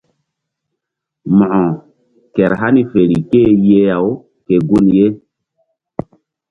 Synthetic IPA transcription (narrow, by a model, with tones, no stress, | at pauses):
mɔ˨ʔɔ˨ | kɛ˨ɾɦa˦ni˦fe˨ɾi˨ke˦je˦ja˨w | ke˨ɡu˦nje˦